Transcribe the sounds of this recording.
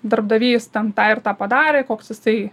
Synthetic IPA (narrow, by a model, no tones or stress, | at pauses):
d̪ɐrbd̪ɐʋʲiːst̪ʲɛnt̪ɑːɪrt̪ɑːpɐd̪ɑːɾʲeːkoːksjɪsɐɪ